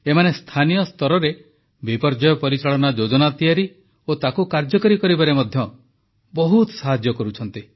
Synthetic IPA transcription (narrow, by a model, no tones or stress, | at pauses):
emanest̪ʰanijɔst̪ɔɾɔɾe | bipɔɾd͡ʒɔjɔpɔɾit͡ʃaɭɔnad͡ʒod͡ʒɔnat̪iaɾi | ot̪akukaɾd͡ʒɔkɔɾikɔɾibaɾemɔd̪ʱjɔ | bɔɦut̪saɦad͡ʒjɔkɔɾut͡ʃʰɔnt̪i